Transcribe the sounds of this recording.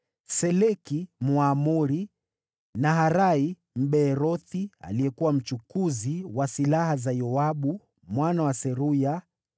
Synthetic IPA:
sɛlɛkimuamuɾi | naɦaɾai | m̩ɓɛːɾɔθia̰lijɛkuwam̩t͡ʃukuziwasilahazajɔaɓu | mwanawasɛɾuja

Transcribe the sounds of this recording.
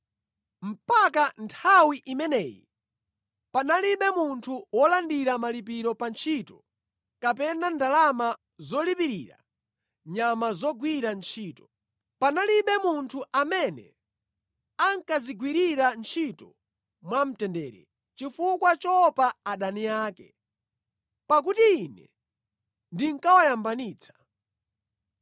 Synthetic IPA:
m̩pakantʰawiʔimɛnɛjḭ | panaliɓɛmuntʰuwɔlandiɾamalip̬iɾɔpant͡ʃʰitɔ | kapɛnandalama | zɔlipiɾiːɾa̰ | ɲamazɔɡwiɾant͡ʃʰiːtɔ̥ | panaliɓɛmuntʰuʔamɛnɛ̰ | aŋkaziɡwiɾiɾant͡ʃʰitɔ | mwam̩tɛndɛːɾɛ̰ | t͡ʃifukwat͡ʃɔpaːɗanijaːkɛ̰ | pak̬utiinɛ̰ | ndiŋkawajambaniːt͡sʰḁ

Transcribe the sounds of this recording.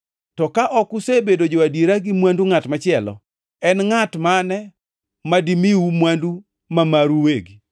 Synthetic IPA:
tɔkaʔɔkusebedod͡ʒoadiɾaɡimwanduŋatmat͡ʃɪɛlɔ̰ | ɛnŋatmanɛ | madimiwumwandu | mamaɾuweɡi

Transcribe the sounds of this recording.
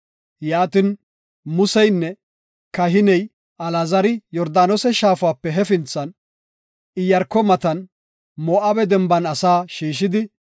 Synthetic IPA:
jaːt̪ɪn | mʊsɛjnːɛ | kɐɦɪnɛj | ɐlazɐɾɪjɔɾd̪aːnɔsɛʃaːfʊwaːpːɛɦɛfɪnt͡sːɐn | ɪjɐɾkːɔmɐt̪ɐn | moːʔɐbɛd̪ɛmbɐnɐsaːʃiːʃ̬ɪd̪ɪ

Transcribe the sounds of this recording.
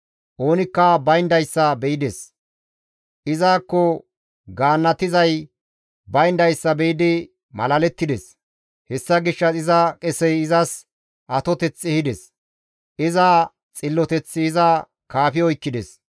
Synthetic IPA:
ʔo̞ːnɪkːɐbɐjnd̪ɐjsːɐbɛjɪd̪ɛs | ʔɪzaːkːɔ | ɡaːnːɐt̪ɪzɐj | bɐjnd̪ɐjsːɐbɛjɪd̪ɪ | mɐ̰lɐlɛt̪ːɪd̪ɛs | hɛsːɐɡɪʃːɐɪzɐkʼɛsɛjɪzɐs | ʔɐt̪ɔt̪ɛt͡sːɛhɪd̪ɛs | ʔɪzaː | t͡sʼɪlːɔt̪ɛt͡sːɪːzɐ | kaːfɪɔjkːɪd̪ɛs

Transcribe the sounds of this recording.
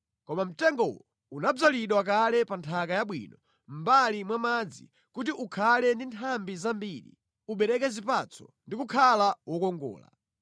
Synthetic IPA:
kɔmam̩tɛŋɡɔwɔ | unab͡ʐaliɗwak̬alɛpantʰakajaɓwḭːnɔ | m̩balimwamad͡zḭ | kut̬iʔukʰalɛndintʰambizambilḭ | uɓɛɾɛkɛzipat͡sʰɔ̥ndikukʰalawɔkɔŋɡɔ̰ːla̰

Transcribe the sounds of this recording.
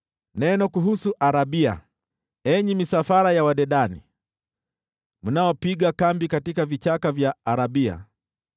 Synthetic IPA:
nɛnɔkuɦusuʔaɾaɓia̰ | ɛɲimisafaɾajawaɗɛɗanḭ | munaɔpiɡakambikatikavit͡ʃakavjaːɾaɓia̰

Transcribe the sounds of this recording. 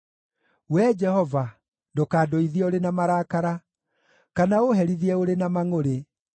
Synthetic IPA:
wɛd͡ʒɛhɔva | ndokaːdoiðioɾenamaɾaːkaɾa | kanaoɦɛɾiðiɛoɾenamaŋoɾe

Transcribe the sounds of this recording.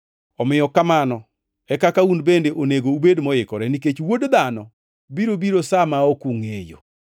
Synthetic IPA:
ɔmɪjɔkamanɔ | ɛkakaunbendeʔoneɡoubedmɔjɪkɔɾɛniket͡ʃwodd̪anɔ | biɾobiɾosamaɔkuŋḛjo̰

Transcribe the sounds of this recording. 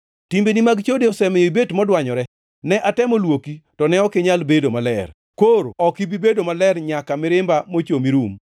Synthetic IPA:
timbenimaɡt͡ʃodeɔsɛmejobetmɔdwaɲɔɾɛ | nɛʔatɛmɔlwokitɔnɛɔkɪɲalbedomalɛ̰r | koɾɔkɪbibedomalɛɾɲakamɪɾɪmbamot͡ʃomiɾum

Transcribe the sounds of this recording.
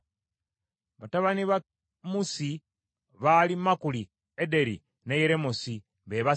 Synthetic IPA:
βataβaniβa | musi | βalimakuli | ede̞ɾḭ | nejeɾemosi | βeβa

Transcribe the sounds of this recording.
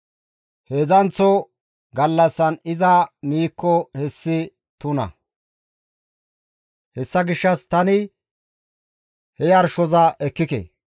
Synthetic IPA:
heːzɐnt͡sɔ | ɡɐlːɐsːɐnɪzɐmiːkːɔhɛsːɪ | t̪ʊnɐ̰ | hɛsːɐɡɪʃːɐst̪ɐnɪ | hɛjɐɾʃɔzɐʔɛkːɪkḛː

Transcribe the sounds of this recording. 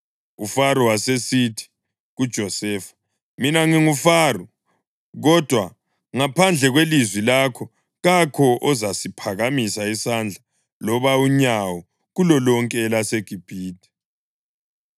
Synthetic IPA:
ufaɾɔwasesitʰi̥ | ɣud̥ʒ̥ʱɔsɛːfḁ | minaŋiŋufaːru | ɣɔd̥ʱwa | ŋapʰand͡ɮʱɛɣwelizwilakʰɔ | ɣakʰɔʔɔzasipʰaɣamisaisand͡ɮʱa | lɔβauɲawɔ | ɣulɔlɔŋkʼɛlaseɡ̥ʱib̥ʱiːti̥

